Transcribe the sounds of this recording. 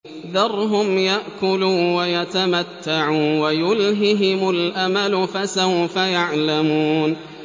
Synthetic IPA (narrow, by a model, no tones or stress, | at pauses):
ðɑrˤɦʊmjaʔkʊluːnwajat̪amat̪ːaʕuːnwajʊlɦɪɦɪmʊlʔamalʊfasawfajaʕlamuːn